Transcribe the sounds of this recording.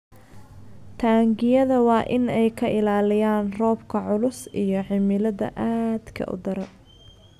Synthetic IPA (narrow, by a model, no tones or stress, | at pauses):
t̪ʰaːŋɡɪjɐðɐwɑːʔɪnɛjkʰɐʔɪlaːlɪjaːnrɔːbkʰɐʕʊlʊsʔijɞʕɪmɪlɐðɐ̰ʔaːd̪kʰɐ̰ʔʊ̰d̪ɐɾɐ